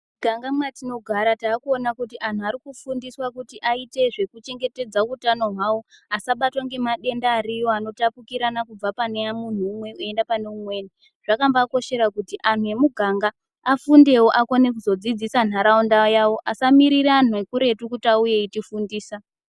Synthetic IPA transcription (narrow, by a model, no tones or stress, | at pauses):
ɡ̥ʱaŋɡamwatino̞ɡʱaɾataːkuo̞nakutiʔan̤uaɾikufundiswakutiʔaite̞ʐe̞kut͡ʃe̞ŋɡe̞te̞d͡zakutanoɦwawo̞ | asaɓatwaŋɡe̞maɗe̞ndaːɾijo̞ano̞tapukiɾanakub͡vapaneamun̤uːmwe̞ue̞ndapane̞umwe̞ːni | ʐ̥akambako̞ʃe̞ɾakutiʔan̤ue̞muɡʱaŋɡaː | funde̞wo̞ʔako̞ne̞k̬uzo̞d͡zid͡zisan̤aɾaundajawo̞ʔasamiɾiɾan̤ue̞kuɾe̞tukutaujeitifundiːsa